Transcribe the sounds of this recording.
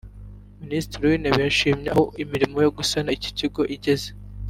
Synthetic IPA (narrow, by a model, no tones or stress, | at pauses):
ministiɾiwineβijaʃiːmɲeahoimiɾimo̞joɡusanaici̥ciɡo̞ʔiɟe̞ze